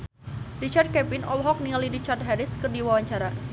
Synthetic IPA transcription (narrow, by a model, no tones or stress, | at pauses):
rit͡ʃard̪̚kɛpɪnɔ̰lɦɔk̚nialiɾit͡ʃart̪̚ɦɛɾɪskɨrdiwawaɲt͡ʃaɾa